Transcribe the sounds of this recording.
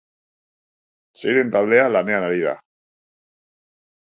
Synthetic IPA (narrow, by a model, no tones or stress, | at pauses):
seiðent̪aβlealaneanaɾiða̰